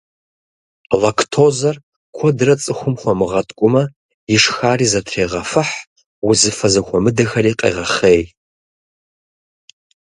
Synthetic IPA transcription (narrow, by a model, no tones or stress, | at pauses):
lɐkʰtʰoːzɐr | kʷʰɔdɨrɐt͡sʼɨxʷʊmxʷɔmɨʁɐtʼkʷʼʊmɐ | jɪʂxaːriːzɐtʰreːʁɐfɨħ | wʊzɨfɐzɐxʷɔmɨdɐxɐriːqʼḛːʁɐχeːj